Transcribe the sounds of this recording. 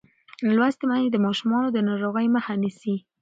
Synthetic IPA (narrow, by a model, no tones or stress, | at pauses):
lwast̪maned̪əmɑʃumɑnod̪ənɑɾoɣəjməxanisi